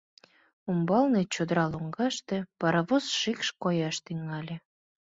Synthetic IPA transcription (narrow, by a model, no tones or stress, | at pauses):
umbɑlnet͡ɕod̪əɾɑloŋɡɑʃt̪ĕpɑɾɑβozʃikʃkojɑʃt̪yŋɑlʲĕ